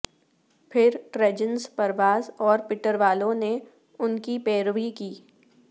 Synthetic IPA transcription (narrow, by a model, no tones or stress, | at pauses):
pʰɪɾʈɾɛd͡ʒənspɐɾʋaːzɔːɾpɪʈəɾʋaːlõne | ʊnkipeːɾʋikiː